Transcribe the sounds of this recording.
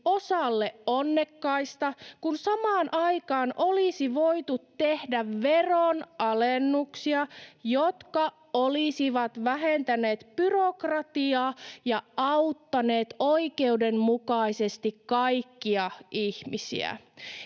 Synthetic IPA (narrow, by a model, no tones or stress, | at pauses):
osɑlːeonːekːɑist̪ɑkunsɑmɑːnʔɑikɑːnʔolisiʋo̞ijt̪ut̪tːe̞hdæʋʋe̞ronɑlenːuksiɑjot̪kɑ | olisiʋɑt̪ʋæɦent̪æneːt̪pyrokrɑt̪iɑːjɑʔɑwt̪ːɑne̞ːt̪oike̞udemmukɑisest̪ikkɑikːiɑihmisḭæ̰